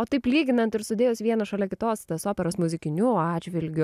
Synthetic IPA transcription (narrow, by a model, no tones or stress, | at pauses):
oːt̪ɐɪplʲiːɡʲɪnɐnt̪ɪɾst̪ʊdʲeːjʊsʋʲiɛnɐʃɐlʲɛkʲɪt̪oːst̪ɐsoːpʲɛɾoːsmʊzʲɪkʲɪnʲʊɑːd͡ʒʲʋʲɪlʲɡʲʊ